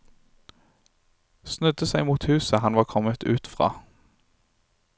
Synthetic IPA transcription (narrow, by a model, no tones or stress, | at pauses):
snʉd̪əsæɪmuːt̪hʉːsəhɑnʋɑːkʰɔmət̪ʉːt̪fʁɑ̰ː